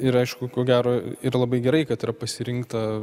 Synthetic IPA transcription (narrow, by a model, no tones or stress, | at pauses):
ɪɾɐɪʃkʊkoːɡʲæːɾoːɪɾlˠɐbɐɪɡʲɛɾɐɪkɐt̪ɪɾɐpɐsʲɪɾʲɪŋkt̪ɐ